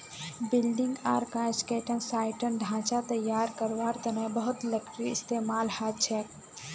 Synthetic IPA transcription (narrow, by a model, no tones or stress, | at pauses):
bɪlɖɪ̃ŋɡa̰ːɾkãskeːʈənsaːɪʈənɖʱãːt͡ʃat̪əjːaːɾkəɾʋaːɾt̪ənə̃bəɦʊt̪ləkʈɾiɪst̪eːmaːlhaːt̪̚t͡ʃʰɛːk